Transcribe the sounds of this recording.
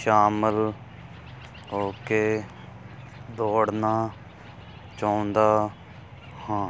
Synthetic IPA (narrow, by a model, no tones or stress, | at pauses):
ʃaːməl | ɦoːkeː | d̪oːɽnaː | t͡ʃãːnd̪aː | hãː